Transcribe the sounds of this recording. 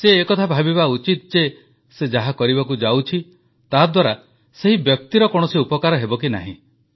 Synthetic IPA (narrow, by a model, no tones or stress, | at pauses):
seːkɔt̪ʰabʱabibaut͡ʃit̪ɔd͡ʒe | sed͡ʒaɦakɔɾiβakud͡ʒawt͡ʃʰi | t̪ad̪waɾa | seɦibjɔk̚t̪iɾɔkɔɽ̃ɔsiupɔkaɾɔɦebɔk̬ina̰ɦḭ̃